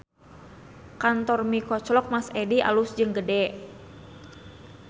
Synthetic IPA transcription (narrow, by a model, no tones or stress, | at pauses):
kant̪ɔrmikɔt͡ʃlɔk̚masɛdiʔa̰lusd͡ʒɨŋɡədɛ